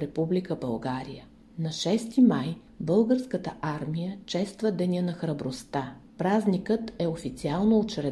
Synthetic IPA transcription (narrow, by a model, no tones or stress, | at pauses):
ɾɛpublikəbəlˠɡaɾḭjə | nɐʃɛst̪imaj | bɤlˠɡəɾskət̪əʔaɾmijət͡ʃɛst̪vəd̪ɛnʲənɐxɾɐbɾost̪apɾaznikət̪ɛofit̪sialˠnoot͡ʃɾɛ